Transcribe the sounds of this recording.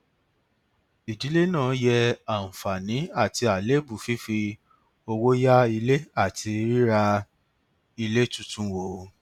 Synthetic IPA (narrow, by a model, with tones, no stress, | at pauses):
i˨di˨˦le˦nãː˦˨˦jɛ˧a˨n̩˨fa˨nĩ˨˦a˦˨ti˧a˨le˦bu˨fi˦fi˧ | o˧wo˦ja˦i˧le˦a˦˨ti˧ɾi˦ɾa˧ | i˧le˦tu˦tũ˦wo˨˦